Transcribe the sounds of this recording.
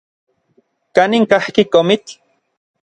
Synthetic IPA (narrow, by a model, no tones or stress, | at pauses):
kaniŋkahkikomit͡ɬ